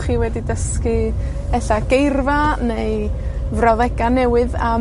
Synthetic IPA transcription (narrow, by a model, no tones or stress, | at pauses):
χiːwɛdidəskɨ | ɛɬaɡ̥ejrvanejvrɔðɛɡanːɛwɨða